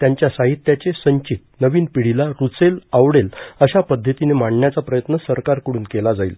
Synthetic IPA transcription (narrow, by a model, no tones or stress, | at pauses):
t̪jaɲt͡ɕjasaɦit̪ːjat͡ɕesəɲt͡ɕit̪̚nəʋiːnpiɽ̤ilaɾut͡selaʋɽeləɕapəd̪ʱːət̪inemaɳɳjat͡sapɾəjət̪nəsəɾkaɾkəɽuːnkelad͡zaiːl